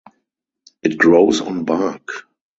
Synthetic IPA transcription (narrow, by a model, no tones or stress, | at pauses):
ʔɪt̚ɡ̥ɹoʊsɔ̰̃nbak